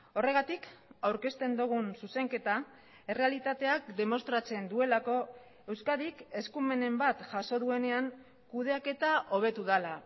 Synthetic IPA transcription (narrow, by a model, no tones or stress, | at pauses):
o̞re̞ɣat̪ikawɾke̞st̪e̞nd̪uɣ̞unsuse̞ŋke̞t̪a | e̞re̞alit̪at̪e̞akd̪e̞mo̞st̪ɾat͡se̞nd̪ue̞lako̞ | e̞wskaðike̞skume̞ne̞mbat̪ʝaso̞ðue̞ne̞aŋ | kuð̞e̞ake̞t̪aʔo̞β̞e̞t̪uð̞ala